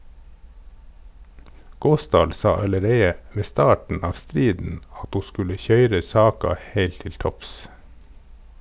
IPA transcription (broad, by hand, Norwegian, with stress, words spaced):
ˈɡoːsdɑːl ˈsɑ ɑləˈɾeɪə ˈʋeː ˈstɑːʈn̩ ˈɑːʋ ˈstɾiːdn̩ ˈɑt ˈhuː ˈskʉlə ˈçœʏɾə ˈsɑːkɑ ˈheɪlt ˈtɪl ˈtɔps